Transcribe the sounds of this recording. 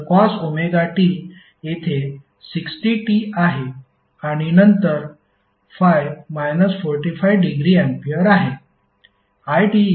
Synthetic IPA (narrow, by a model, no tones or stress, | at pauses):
kasomeɡaʈiːl | jet̪ʰe | siksʈiʈiaɦe | aɽ̃inənt̪əɾ | fajʋmajnəsfɔɾʈifajʋɖiɡɾiːɛ̃mpijəɾaɦe | ajʈi